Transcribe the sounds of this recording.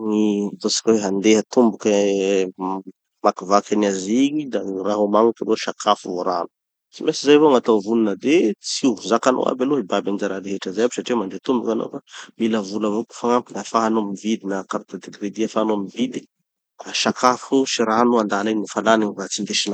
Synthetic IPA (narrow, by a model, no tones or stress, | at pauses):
ŋit̪osḁkʲweɦand̪eɦat̪umbukə | makivakʲaniaziɲid̪araɦomaŋukaloʃakʰafuvoɾa̰nu̥ | t͡simesizajvoaŋat̪ovuninəd̪et͡sizakano̰a̰beloɦibabanizaɾaɾeɦeʈ͡ʂazajabisaʈ͡ʂimand̪eat̪umbukano̰familəvulavoku̥faŋampinəfaɦanomivid̪inakaɾut̪ad̪eɡɾed̪iafaanoamivid̪i̥ | aʃakʰafuʃiɾanuand̪alenifalaniŋivat͡sind̪eʃina